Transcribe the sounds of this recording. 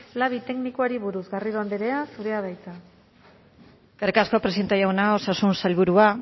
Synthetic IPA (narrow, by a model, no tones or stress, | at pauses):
laβit̪e̞knikoaɾiβuɾuzɣariðoand̪eɾe̞asuɾe̞aðajt͡sa | kaɾekaskopɾesint̪ajaɣonaosasunsalβuɾua